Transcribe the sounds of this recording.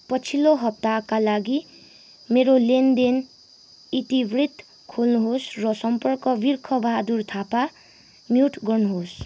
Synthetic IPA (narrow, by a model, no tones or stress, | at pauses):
pʌt͡sʰiloɦʌp̚t̪akalaɡi | meɾolend̪en | it̪ibrit̪ | kʰolnuɦosrʌsʌmpʌrkʌbirkʰʌbʌɦad̪urt̪ʰapa | mjuʈʰɡʌrnuɦos